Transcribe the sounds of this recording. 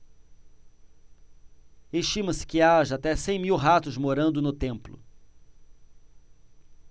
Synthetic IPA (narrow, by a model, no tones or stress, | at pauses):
eʃt͡ʃĩmɐsɪ̥kɪaʒɐat̪ɛsẽj̃miwɦat̪ʊzmoɾɐ̃nd̪ʊnʊt̪ẽmplʊ̰